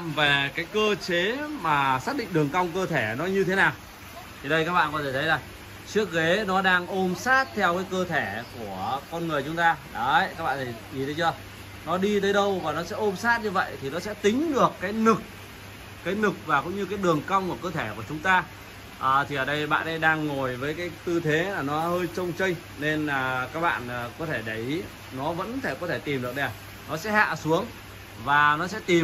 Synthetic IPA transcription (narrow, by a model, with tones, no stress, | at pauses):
ve˨˩kaː˨˦jkəː˧t͡ɕe˨˦maː˨˩saː˦˥t̚ɗḭ˧˨ŋ̟ɗɨ˨˩əŋka˧wŋ͡mkəː˧t̪ʰe˧˩nɔ˨˦ɲɨ˧t̪ʰe˨˦naː˨˩w | t̪ʰi˨˩ɗə˧jkaː˦˥k̚ɓa̰ː˧˨˧kɔ˨˦t̪ʰe˧˩t̪ʰə˨˦jlaː˨˩ŋ | t͡ɕɨ˦˥ək̚ɣe˨˦nɔ˨˦ɗaː˧ŋʔo˧msaː˦˥t̚t̪ʰɛ˧wkaː˨˦jkəː˧t̪ʰe˧˩ku˧˩əkɔ˧nŋɨ˨˩əjt͡ɕʊ˨˦ŋ͡mt̪aː˧ɗə˨˦ka˦˥k̚ɓa̰ː˧˨˧t̪ʰi˨˩ʔi˨˩t̪ə˨˦t͡ɕɔ˧ | nɔ˨˦ɗi˧t̪̬əː˨˦jɗə˧wvaː˨˩nɔ˨˦sɛ̰˧˥ʔo˧msaː˦˥t̚ɲɨ˧və̰˧˨jt̪ʰi˨˩nɔ˨˦sɛ̰˧˥t̪ï˨˦ŋ̟ɗɨ˨˩əkːaː˨˦jnɨ˨˩k̚ː | aː˨˦jnɨ˨˩k̚vaː˨˩kʊ̰˧˥ŋ͡mɲɨ˧kaː˨˦jɗɨ˨˩əŋka˧wŋ͡mku˧˩əkəː˧t̪ʰe˧˩ku˧˩ət͡ɕʊ˨˦ŋ͡mt̪aː˧ | ʔəː˨˩t̪ʰi˨˩ʔəː˨˩ɗə˧jɓa̰ː˧˨nɗə˧jɗaː˧ŋːo˨˩jvəː˨˦jkaː˨˦jt̪ɨ˧t̪ʰe˨˦laː˨˩nɔ˨˦həː˧jt͡ɕə˧wŋ͡mt͡ɕə˧jŋ̟ | ne˧nː˨˩kaː˦˥k̚ɓa̰ː˧˨nː˨˩kɔ˨˦t̪ʰe˧˩ɗə˨˩j | nɔ˨˦və̰˧˥nfʰe˧˩kɔ˨˦t̪ʰe˧˩t̪i˨˩mɗɨ˨˩ək̚ɗɛ˨˩ | nɔ˨˦sɛ̰˧˥ha̰ː˧˨su˨˦əŋ | vaː˨˩nɔ˨˦sɛ̰˧˥t̪i˨˩